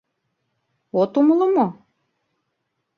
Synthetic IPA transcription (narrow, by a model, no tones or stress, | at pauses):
ot̪uməlɤ̆mo